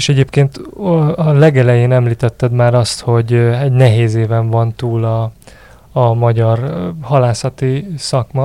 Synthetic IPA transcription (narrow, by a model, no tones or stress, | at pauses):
eʃɛɟeːpkeːnt̪ɒlɛɡɛlɛjeːnɛmliːt̪ɛt̪ːɛd̪maːɾɒst̪ho̞ɟɛɟnɛɦeːzeːvɛɱvɒnt̪uːlɒː | mɒɟɒrhɒlaːsɒt̪isɒkmɒ